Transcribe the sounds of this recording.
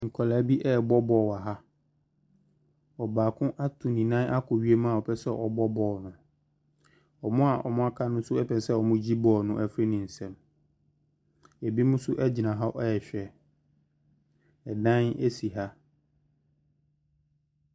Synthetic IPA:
ŋ̩˨kʰɔ˨la˨˦bi˦ʔɛ˦ɛ˨bɔ˦bɔ˨wa˨ɦa˦ | ɔ˨baː˨kʰʊ̃˦ʔa˦tʰũ˨nĩ˨nã˦na˦kʰʊ˨ɥi˦e˦mã˦˨ɔ˨pʰɛ˦sɛ˦˨ʔɔ̰˨bɔ˦bɔː˨nʊ̃˨ | ɔ˨mʊ̃˦a˨ʔɔ˨mʊ̃˦a˦kʰa˦nʊ̃˦sʊ˦ɛ˦pʰɛ˨n˦sɛ˦ɔ˨mʊ̃˦d͡ʑi˦bɔː˨nʊ̃˦ʔɛ˨fɾe˦nɪ̃˨n̩˨sɛ̃˨m | ɛ˨bi˦mʊ̃˦sʊ˦ʔɛ˦d͡ʑɪ˨nã˨ɦa˦ʔɛ˦jɛ˨ɕᶣɛ˨ | ɛ˨dã˦ne˦si˨ɦa˦

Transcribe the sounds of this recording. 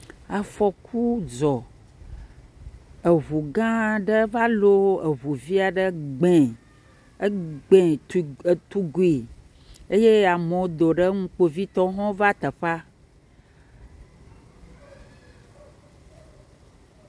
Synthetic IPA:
a˨fɔ˨kʰu˦d͡ʒɔ˨ | ə˨βu˨ɡã˦ɖə˦va˦lo˦ə˨βu˨vi˦a˨ɖə˦ɡ͡bẽ˨˦ | ɡ͡bẽ˨ | t̪u˦ɡu˨i˨ | e˦je˦a˨mõ˨˦d̪o˨ɖə˦ŋũ˦k͡po˦vi˦t̪ɔ˦ɦɔ̃˦va˦t̪ə˨ɸa˦

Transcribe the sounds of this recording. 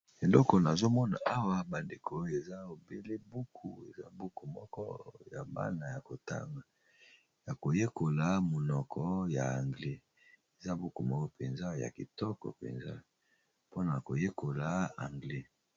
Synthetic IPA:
e˨lɔ˦kɔ˨na˨zo˦mɔ˦na̰˨ʔa˦wa˦ba˨nde˨kʰo˨o˦jo˦˨e˨za˦o˨be˦le˦bu˦kʰu˨ḛ˨za̰˦bu˦ku˨mɔ˦kɔ̰˦ja˨ba̰˦na˨ja˨ko˨ta̰˦ŋa˨ | ja˨ko˨je˦ko˨la˨˦mo˨nɔ˨kʰɔ˦ja˨a˨ŋɡle˦ | e˨za˦bu˦ku˨mɔ˦kɔ˦pe˨nza˦ja̰˨ki˨tɔ˦kɔ̰˨pḛ˨nza̰˦ | po˦na˨ko˨je˦ko˨la˨a˨ŋɡlɛ˦

